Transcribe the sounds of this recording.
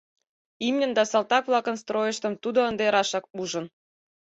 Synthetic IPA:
imnʲə̆nd̪ɑsɑlt̪ɑkβlˠɑkə̆nst̪rojəʃt̪ə̆mt̪ud̪oənd̪eɾɑʃɑk̚uʒə̆n

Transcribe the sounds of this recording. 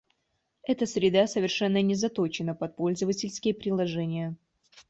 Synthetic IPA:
ɛt̪əsɾʲɪd̪asəvʲɪrʂɛnːənʲɪzɐt̪ot͡ɕɪnəpɐt̪̚po̞lʲzəvətʲɪlʲskʲɪjəpɾʲɪlˠɐʐɛnʲɪjə

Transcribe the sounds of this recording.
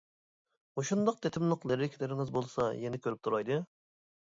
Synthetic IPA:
oʃund̪ɑq̚t̪ʰet̪ʰɪmlˠʊqleɾɪkʲʰilɪɾɪŋɨzbolˠsɑjenɪkʲʰøɾyp̚t̪ʰuɾɑjd̪ɨ

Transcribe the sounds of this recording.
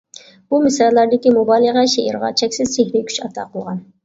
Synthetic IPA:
b̥umɪsɑllːæɾd̪ɪkʲimobɑlˠəʁæʃeʔḭɾʁɑ̰t͡ʃʰɛkʲsɪz̥sehɾɪkʲʰy̥ʃɑt̪ʰɑ̰qʰəlˠʁɑn

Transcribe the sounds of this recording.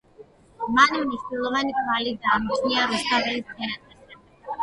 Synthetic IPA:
manmniʃt̪ilˠɔvanikʰvalid̪aːmt͡ʃʰniaɾust̪ʰavɛlistʰɛɾat̪ʰʼɛsɛ

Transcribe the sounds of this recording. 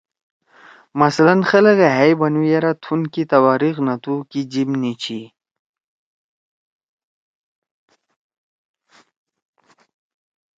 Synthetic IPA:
mɐslɐnxələɣeɦajbɐnujeɾat̪ʰunkit̪ɐwaːɾixnɐt̪ukid͡ʑimnit͡ɕʰi

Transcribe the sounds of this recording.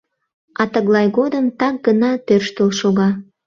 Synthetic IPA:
ɑt̪əɣlɑjɣod̪əmt̪ɑk̚ɡənɑt̪ørʃt̪əlʃoɣɑ

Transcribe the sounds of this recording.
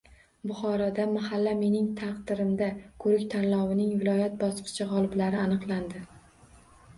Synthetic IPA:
bʊχɒɾɒd̪amahalːame̞nɪŋt̪ʰɑqd̪ɪɾɪmd̪akʰɵɾɪkʲt̪ʰanlɒwɪnɪŋvɪlɒjat̪̚bɒsqʰɨ̥t͡ʃʰɪʁɒlˠɪblaɾɪanɨqlˠand̪ɪ

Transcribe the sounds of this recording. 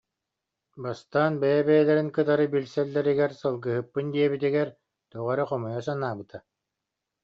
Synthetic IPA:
bast̪aːnbɛjɛbɛjɛlɛɾinkɯt̪aɾɯbilsɛlːɛɾiɡɛɾsɯlˠɡɯɦɯpːɯnd̪iɛbit̪iɡɛɾ | t̪uʁaɾɯχɔmɔjɔsanaːbɯt̪ʰa

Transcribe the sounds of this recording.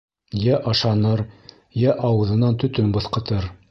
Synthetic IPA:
jæʔɑʃɑnɤɾ | jæʔɑwɤ̆ðɤ̆nɑnt̪ɵ̆t̪ɵnbɤ̆θqɤ̆t̪ɤɾ

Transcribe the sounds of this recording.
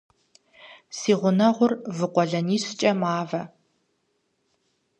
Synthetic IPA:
siːʁʷʊnɐʁʷʊrvɨqʷɔɮɐniːɕt͡ʃʼɐmaːvɐ

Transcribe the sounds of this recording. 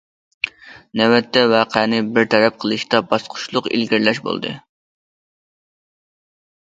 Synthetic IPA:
nɛwɛt̪ʰːɛwæːqʰænɨbɪɾt̪ʰɛɾɛp̚qʰəlˠɨʃt̪ɑbɑsqʰʊ̥ʃlˠʊqḭlɡʲɪɾlɛʃbo̰lˠd̪ɨ̰

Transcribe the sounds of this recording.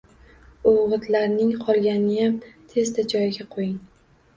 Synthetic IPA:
oʁɨt̪ʰlaɾnɪŋqʰɒlˠɡʲanɪjamt̪ʰe̞zd̪ad͡ʒɒjɪɡʲaqʰojɪŋ

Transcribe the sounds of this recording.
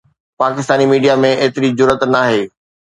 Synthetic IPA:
paːkɪst̪aːnimiːɖijamẽeːt̪ɪɾizʊɾət̪naːɦeː

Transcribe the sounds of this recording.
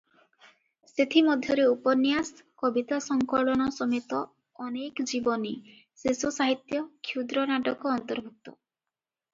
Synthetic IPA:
set̪ʰimɔd̪ʱjɔɾeupɔnijas | kɔbit̪asɔŋkɔɭɔɽ̃ɔsɔmet̪ɔː | nekd͡ʒibɔni | sesusaɦit̪jɔkʰjud̪ɾɔnaʈɔkɔːnt̪ɔɾbʱuk̚t̪ɔ̰

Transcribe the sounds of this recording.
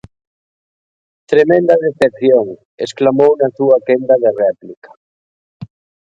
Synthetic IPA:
t̪ɾemẽnd̪aðeθep̚θjoŋ | ḛsklamownasuakend̪aðerɛplikḁ

